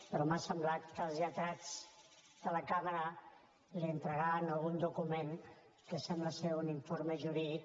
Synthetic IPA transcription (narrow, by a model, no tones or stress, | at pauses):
pəɾɔmasəmblat̪kəlˠzʎət̪ɾad͡z | d̪̥ələkaməɾə | liənt̪ɾəɣanəlˠɣund̪ukumen | kəsɛmbləseuniɱfoɾməʒuɾi